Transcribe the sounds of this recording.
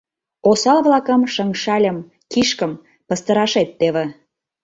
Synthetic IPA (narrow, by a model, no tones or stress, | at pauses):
osɑlβlɑkəmʃəŋʃɑlʲəm | kiʃkəm | pə̆st̪əɾɑʃet̪ːeβĕ